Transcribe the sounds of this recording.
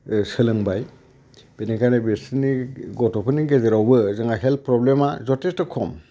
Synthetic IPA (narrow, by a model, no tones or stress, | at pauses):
sɯlɯŋbaj | b̥enikʰanebesniɡɔtɔpʰɯniɡezeɾawbɯzɯŋaɦelpɾɔblemazɔtestɯkʰɔm